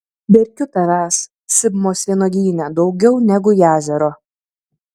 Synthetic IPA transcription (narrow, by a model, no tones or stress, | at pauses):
bʲɛɾʲkʲʊt̪ɐʋʲæːs | sʲɪbmoːsʲʋʲiɛnoːɡ̪ʲiːnʲɛd̪ɒʊɡʲɛʊnʲɛɡʊjæːzʲɛɾoː